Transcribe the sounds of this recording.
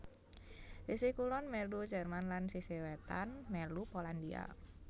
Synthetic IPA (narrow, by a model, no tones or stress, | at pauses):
sisikulɔnmɛlud͡ʒərmanlansisiwet̪anmɛlupolandia̰